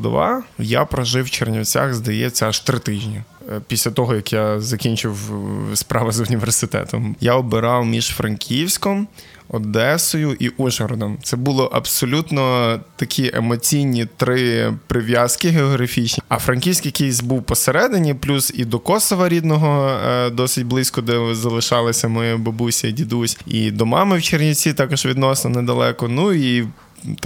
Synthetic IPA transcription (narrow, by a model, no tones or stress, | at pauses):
d̪ɔ̰ʋɑ̰ja̰pɾɔʒɪwt͡ʃernʲɐwt͡sʲa̰xzd̪ɐjɛt͡sʲːɐɐʃt̪ɾɪt̪ɪʒʲnʲipʲisʲlʲɐt̪ɔɦɔjɐkjazɐkʲinʲt͡ʃɪwspɾʔɑʋɐzʊnʲiʋersɪt̪ɛ̰t̪ɔmjaɔbɪɾɑwmʲiʃfɾɐnkʲʰiwsʲkɔm | ɔd̪ɛsɔjʊʔiʔuʒɔɾɔd̪ɔmt̪sɛbulˠɪʔɐbsɔlʲut̪nɔt̪ɐkʲʰiʔḛmɔt͡sʲijnʲit̪ɾɪpɾɪʋjɑskɪɦeɔɦɾɐfʲit͡ʃnʲiɐ̰fɾɐnʲkʲiwsʲkjɐkejsʲbuwpɔseɾɛd̪enʲiplʲuzid̪ɔkɔsɔʋɐɾʲid̪nɔɦɔd̪ɔsɪtʲblˠɪsʲkɔd̪ɛzɐlˠɪʃɑlˠɪsʲɐmɔjɛbɔbusʲɐidʲid̪usʲḭd̪ɔmɑmɪwt͡ʃernʲɪt͡sʲit̪ɑkɔʒʋʲid̪nɔsnɔnɛd̪ɐlˠɛkɔnui